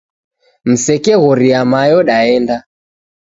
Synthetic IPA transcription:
m̩sɛkɛɣɔɾiamajɔɗaɛnda

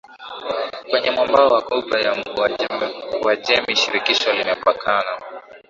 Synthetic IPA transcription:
kwɛɲɛmwambaɔwakɔbajam̩ | wad͡ʒɛmiʃiɾikiʃɔlimɛpakʰana

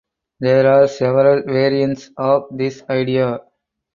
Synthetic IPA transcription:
d̪eːɾaːɾsɛʋəɾəlʋeːɾiə̃ɳʈsɔːʋd̪ɪsaɪɖia

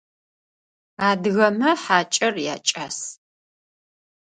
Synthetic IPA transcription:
aːdɣɐmɐħaːt͡ʃʼɐrja̰ːt͡ʃʼaːs

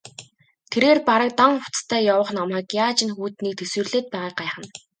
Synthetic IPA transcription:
t̪ʰeɾeːrpaɾə̆k̚t̪aŋʊ̥t͡st̪ʰæːjawə̆χnɔmaːkjaːt͡ɕɪ̆nxuːt̪niːk̚t̪ʰeswɘ̆rɮeːt̪̚pæːʁaːq̚ɢaːχə̆n

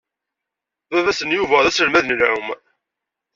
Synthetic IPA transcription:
vævæsənjuvæðæsəlmæðənlæ̰m

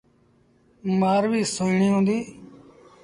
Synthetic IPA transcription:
maːɾʋiːsoːiːɳiːɦõːnd̪iː

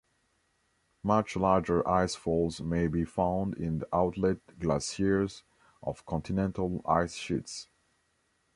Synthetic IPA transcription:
mʌt͡ʃlaɹd͡ʒə˞ʔaɪsfɔlˠzmeɪbifãʊ̃ndɪ̃nðiʔaʊtʰˡlɛt̚ɡlæsiɹz | ʔɔ̰v̥kʰɔ̃ntʰɨnɛ̃ntʰəl̩ˠa̰ɪsʃits

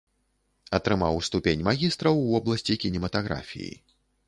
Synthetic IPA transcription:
ɐt̪ɾɨmawst̪upʲenʲmaɣʲist̪ɾɐwvɔblˠɐsʲt͡sʲikʲinʲɛmɐt̪aɣɾa̰fʲḭjḭ

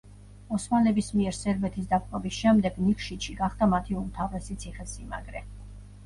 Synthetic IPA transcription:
ɔsmalɛbismiɛɾsɛɾbɛt̪ʰis̬d̪apʼqʼɔbisʃɛmd̪ɛɡnikʰʃit̪ʃiɡaχd̪̥amat̪ʰiumt̪ʰavɾɛsit̪sʰiχɛsima̰ɡɾɛ

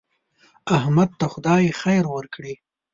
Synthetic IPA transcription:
ahmad̪̚t̪axʊd̪ɑjexajɾwəɾkɽi

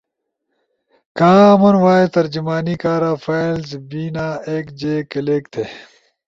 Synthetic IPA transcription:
kãːɐmɐnwaːet̪ɐɾd͡ʑumaːniːkaːɾaːfʰaːlzbiːnaːeːkd͡ʑeːkɐleːk̚t̪ʰeː

